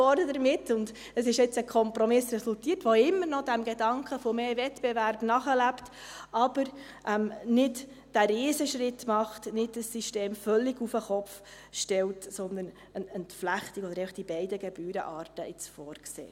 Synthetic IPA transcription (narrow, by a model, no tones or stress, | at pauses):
ɔɾdədəɾmɪtːʊnd | əsɪʃɪt͡səkʰɔmpɾɔmɪsɾɛsultiːətʋoɪmːəɾnɔdæmɡɛdɑŋkχəfɔmeːvɛtb̥ɛvæɾbnɑχəlæptʔɑb̥əɾ | ʔɛmnɪd | d̥æɾɪːsəʃɾɪtːmɑχtnɪdd̥əsːiʃteːmfœlːiɡufəχɔpf | ʃtɛltsɔnd̪ən | ənəntflæχt̪ikɔd̪əɾɛɪfəχd̥ibɛɪdəɡɛb̥yːɾə̰ʔɑːɾtəʔɪt͡sfɔːɾksḛː